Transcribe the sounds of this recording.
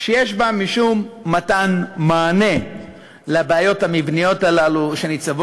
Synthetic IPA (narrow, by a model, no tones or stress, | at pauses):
ʃejeʃbamiʃumːatanmaːne̞ | leabeajo̞thamivnijo̞talaluʃe̞nit͡savo